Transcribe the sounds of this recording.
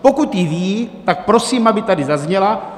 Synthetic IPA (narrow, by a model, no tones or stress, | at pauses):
po̞kut̪jviːt̪ak̚pɾo̞siːmʔabɪt̪adɪzazɲɛla